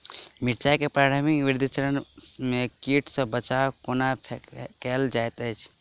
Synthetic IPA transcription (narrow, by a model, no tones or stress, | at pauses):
miʈt͡ʃakepɾaʈʰəmikʋiɾd̪ʱit͡ʃəɾənmekiʈʰsə̃bət͡ʃawkonapʰkɛld͡ʒajt̪ət͡ʃʰ